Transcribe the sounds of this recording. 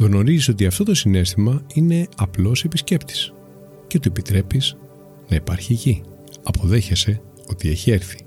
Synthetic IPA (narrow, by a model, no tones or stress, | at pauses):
ɣno̞ɾiziso̞t̪iɐft̪o̞t̪o̞sine̞st̪imɐine̞ɐplo̞se̞pisce̞pt̪i̥s | cet̪uepit̪ɾe̞piz | nɐipɐɾçici | ɐpʰo̞ðe̞çese̞ | o̞t̪ie̞çieɾθi̥